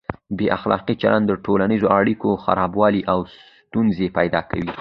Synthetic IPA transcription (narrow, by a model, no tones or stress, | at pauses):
beʔaxlɑ̰qit͡ʃalʔand̪ːəʈolanizoʔaɽikoxa̰ɾɑbwɑliʔaws | t̪unzepajd̪ɑkawi